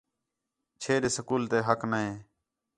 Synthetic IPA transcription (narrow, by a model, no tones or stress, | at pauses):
t͡ʃʰeːɗeːsəkuːlt̪eːɦəknəɦẽː